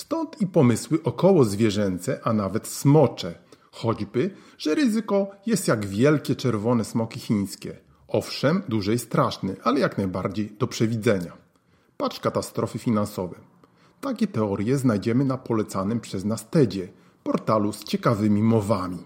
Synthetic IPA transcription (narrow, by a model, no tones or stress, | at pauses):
st̪ɔnt̪ipɔmɘswɘʔɔkɔwɔzvʲjɛʐɛnt̪sɛʔanavɛt̪smɔt͡ʂɛ | xɔd͡ʑbɘ | ʐɛɾɘzɘkɔjɛst̪jaɡvʲjɛlkʲɛt͡ʂɛɾvɔnɛsmɔkʲixʲiɲ̃skʲɛ̰ | ɔfʂɛmd̪uʐɛjst̪ɾaʂnɛʔalɛjaknajbaɾd͡ʑejd̪̥ɔpʂɛvʲid̪zɛɲa | pat͡ʂkat̪ast̪ɾɔfɘfʲinansɔvɛ | t̪akʲɛt̪ɛɔɾʲjɛznajd͡ʑɛmɘnapɔlɛt̪sanɘmpʂɛznast̪ɛd͡ʑɛ | pɔɾt̪alust͡ɕɛkavɘmʲimɔvamʲi